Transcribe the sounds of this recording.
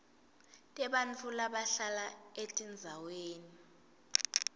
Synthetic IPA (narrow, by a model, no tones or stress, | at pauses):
tʼɛɓant͡fʰʼulaɓaɬalaetʼind͡zʱaweːni